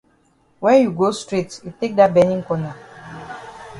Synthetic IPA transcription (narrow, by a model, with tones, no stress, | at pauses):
wɛ̃˦nju˨ɡo˦stɹetjute˦k̚da˨t̚bɛ˦nĩ˦ŋkɔ˦na˨